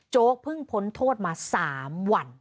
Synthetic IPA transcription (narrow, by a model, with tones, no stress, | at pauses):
t͡ɕoː˦˥k̚pʰɯ˥˩ŋpʰo˨˦nt̪ʰoː˥˩t̪̚maː˧saː˩˦mwa˧n